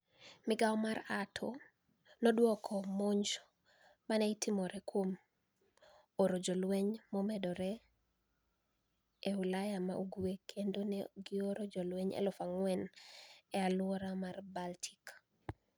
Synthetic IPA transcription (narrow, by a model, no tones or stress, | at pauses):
mɪɡaɔmaɾatʰo | nɔdwɔkʰɔmoɲd͡ʒ | manɛitimɔɾɛkwom | oɾod͡ʒɔlwɛɲmɔmɛdɔɾɛ | ewulajama̰ʔuɡuekʰendonɛɡɪoɾod͡ʒɔlwɛɲɛ̰lɔfaŋwɛnɛalwɔɾamarbaltʰi̥k